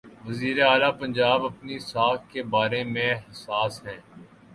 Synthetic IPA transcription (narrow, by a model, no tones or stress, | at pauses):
ʋɐziːɾeaːlapɐ̃ɲd͡ʒaːbɐpnisaːkkebaːɾemẽɦɐsaːsɦɛ̃ː